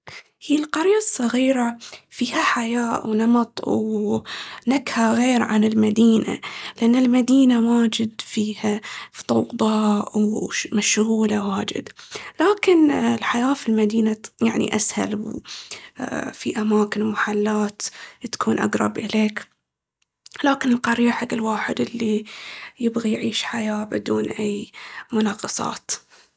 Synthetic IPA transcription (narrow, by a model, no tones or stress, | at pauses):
hiːlqɑɾjasˤːɑɣiːɾafiːhaħajaːʔwnɑmɑt̪ˤw | nakhaɣeːɾʕa̰nɪlmad̪iːna̰lɪʔanːɪlmad̪iːnawaːd͡ʒɪd̪fiːhat̪ˤɑwd̪ˤɑːʔwmaʃɣuːlawaːd͡ʒɪ̰d̪laːkɪnɪlħajaːfilmad̪iːnajaʕnḭʔasha̰lw | fiʔamaːkɪnwmaħalːaːt̪t̪ḁkʰuːnʔa̰ɡɾˤɑ̰bʔɪleːk | laːkɪnɪlqɑɾiːħaɡːɪlwaːħɪd̪ʔɪlːijɪbɣijʕiːʃħajaːbɪd̪uːnʔajːmʊnɑːqɑsˤɑ̰ːt̪